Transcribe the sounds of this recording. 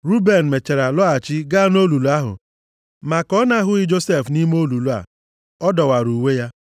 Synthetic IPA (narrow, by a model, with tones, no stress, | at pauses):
ɾu˦be˨n̩˨me˨t͡ʃe˨ɾa˨lɔ˦a˨t͡ʃi˦ɡa˦no˦lu˨lu˨˦a˦ɦʊ̰˨ | ma˨kɔ˦na˦ɦʊ˦ɪ˦d͡ʒo˦se˦˨fni˦m˦o˦lu˨lu˦a̰˨ | ɔ˦dɔ˨wa˨ɾu˨we˦ja˦